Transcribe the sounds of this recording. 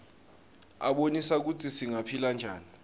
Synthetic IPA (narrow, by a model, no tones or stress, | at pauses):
a̰ɓonisak̬utʰisiŋapʰiland͡ʒʱaːni